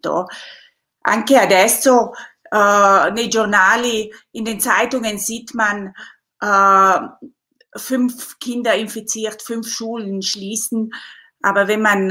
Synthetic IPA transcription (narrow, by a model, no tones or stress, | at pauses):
d̥o̰ | ʔa̰ŋkeadɛstoʔːneʒʊʁnaːliɪndeːnt͡saɪtʊŋənziːtman | ʔəː | fʏnfkʰɪndɐɪnfit͡siːʁtfʏnfʃuːlənʃliːsn̩ | ʔaːbɐvɛnman